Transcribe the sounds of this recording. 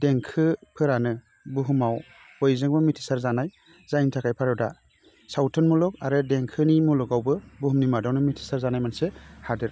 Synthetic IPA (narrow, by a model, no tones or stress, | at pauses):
deŋkʰɯpʰɯɾanɯ | buɦumaw | bɔjzɯŋbɯmitʰi̥saɾzanaj | zajntʰakʰajpʰaɾɯda | sawtʰɯnmulɔk̚aɾɯdeŋkʰɯnimulɔkawbɯbuɦumnimadawnɯmitʰi̥saɾzanajmansehadɯɾ